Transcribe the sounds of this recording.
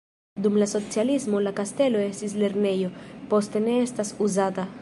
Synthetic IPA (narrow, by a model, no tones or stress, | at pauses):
d̪umlaso̞t͡sialismo̞lakaste̞lo̞e̞stisle̞ɾne̞jo̞po̞ste̞ne̞estasuzata